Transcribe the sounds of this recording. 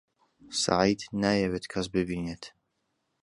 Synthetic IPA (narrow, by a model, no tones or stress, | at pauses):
sa̰ʕid̪naːjɛweːt̪kʰɐs̬bɨbiːneːt̪